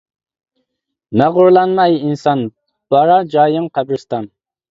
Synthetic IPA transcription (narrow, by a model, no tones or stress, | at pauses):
nɛʁʊɾlˠɑnmɑjinsɑn | b̥ɑɾɑd͡ʒɑːjɪŋqʰæbɾɪst̪ɑn